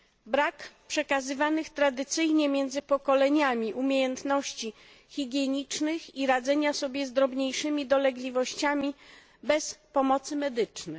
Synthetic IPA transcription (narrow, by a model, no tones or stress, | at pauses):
bɾakpʂɛkazɘvanɘxt̪ɾad̪ɘt̪sɘjɲɛmʲjɛnd̪zɘpɔkɔlɛɲamʲiʔumʲjejɛnt̪nɔɕt͡ɕi | xʲiɡʲjɛɲit͡ʂnɘxiɾad̪zɛɲasɔbʲjɛzd̪ɾɔbɲejʂɘmʲid̪ɔlɛɡlʲivɔɕt͡ɕamʲi | bɛspɔmɔt̪sɘmɛd̪ɘt͡ʂnɛ